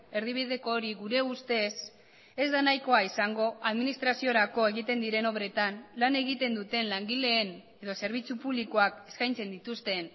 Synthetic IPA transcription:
e̞ɾðiβ̞iðe̞ko̞ːɾiɣuɾe̞ust̪e̞s | e̞zd̪anajko̞aisaŋɡo̞aðminist̪ɾasio̞ɾako̞e̞ɣit̪e̞nd̪iɾe̞no̞βɾe̞t̪anlane̞ɣ̞it̪e̞nd̪ut̪e̞nlaŋɡile̞ːn | e̞ðo̞se̞ɾβ̞it͡supuβlikoake̞̥skajnt͡se̞nd̪it̪ust̪e̞n

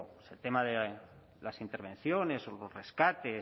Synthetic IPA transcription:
selt̪emaðe | lasint̪eɾβ̞ẽ̞n̟θjo̞ne̞solosre̞skat̪e

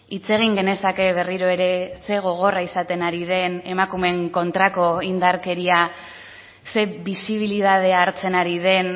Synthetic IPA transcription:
it͡se̞ɣ̞iŋɡe̞ne̞sake̞β̞e̞riɾo̞e̞ɾe̞se̞ɣ̞o̞ɣ̞o̞raisat̪e̞naɾið̞e̞ne̞makume̞ŋko̞nt̪ɾako̞ind̪aɾke̞ɾia | se̞bisiβ̞ilið̞að̞e̞aːɾt͡se̞naɾið̞e̞n

